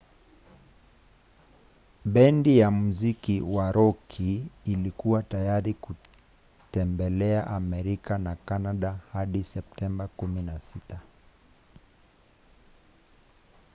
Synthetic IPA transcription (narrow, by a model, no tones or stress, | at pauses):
ɓɛndijamuzikiwaɾɔkʰiːlikuwatajaɾiku | tɛmbɛlɛaʔamɛɾikanakanaɗahaɗisɛp̚tɛmbakuminasita